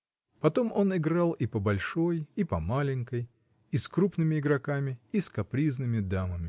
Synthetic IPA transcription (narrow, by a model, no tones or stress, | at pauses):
pɐt̪o̞mo̞nɪɡɾalˠipəbɐlʲʂo̞jipɐmalʲɪŋʲkəj | iskɾupnɨmʲɪɪɡɾɐkamʲɪiskɐpɾʲiznɨmʲɪd̪aməmʲɪ